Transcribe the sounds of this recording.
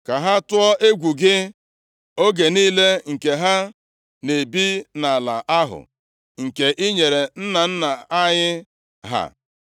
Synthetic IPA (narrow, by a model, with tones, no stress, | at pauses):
ka˨ɦa˦tʊ˦ɔ˦ʔe˦ɡʷu˨ɡɪ˦ | o˦ɡe˨niː˦le˦ŋ̩˨ke˨ɦa˦ | ne˨bi˦na˨la̰˨ʔa˦ɦʊ̰˨ | ŋ̩˨ke˨ʔi˦ɲe˨ɾe˨n̩˦na˨n̩˦na˨a˦ɲɪ˦ | ɦa̰˦